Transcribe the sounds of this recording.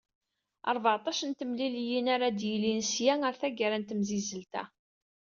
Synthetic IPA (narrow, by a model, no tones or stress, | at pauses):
ɑ̰ɾˤvəʕt̪ˤɑʃənt̪əmliljinaɾad̪jəlinsjæŋəɾθæɡəɾænt̪əmzizəlt̪æ̰